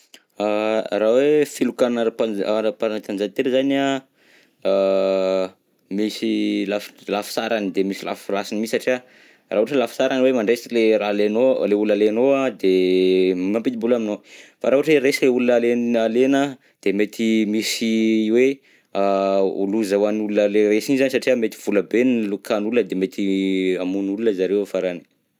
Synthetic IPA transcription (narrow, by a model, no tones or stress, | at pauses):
arawefilukanaɾpaaɾapanat̪and͡ʒat̪eɾizana | misilaflafi̥saɾanid̪emisila̰fflasinimisaʈ͡ʂia | raɦuʈ͡ʂəlafsaɾaniwemaɳɖ͡ʐesileɾalenoleulunalenoad̪emŋampid̪ibulaminofaɾaɦuʈ͡ʂweresileulunalenalenə | d̪̥emet̪ʰimisiwe | aṵluzawanulunəleɾesinizanisaʈ͡ʂiəmet̪iv̥uləbenlukʰanulunəd̪emet̪ʰiamunulunəzaɾewfaɾani̥